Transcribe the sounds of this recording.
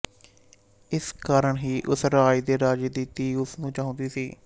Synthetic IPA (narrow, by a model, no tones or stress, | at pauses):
ɪskaːɾəɳɦiːʔʊsɾaːid̪eːɾaːd͡ʒd̪iːt̪iːʊsnũːt͡ʃãːʊ̃nd̪iːsiː